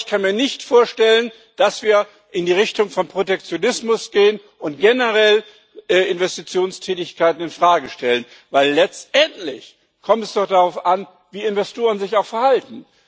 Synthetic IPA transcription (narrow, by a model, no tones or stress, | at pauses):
çkʰanmiːɐnɪçtfoːɐʃtɛlən | d̥asv̥iːɐ | ʔɪndiːʁɪçtʊŋfɔnpʁ̥otɛk̚t͡sjonɪsmʊsɡ̥eːən | ʔʊnt̚ɡ̥ɛnəʁɛl | ʔɛɪnvɛstit͡sjoːnstʰɛːtɪçkʰaɪtn̩ɪnfʁ̥aːɡəʃtɛlən | vaɪlːɛt͡stʔɛntlɪç | kʰɔmtɛsd̥ɔχd̥aʁaʊfʔan | viːɪnvɛstʰoːʁ̞ənzɪçaʊxfɛɐhaltn̩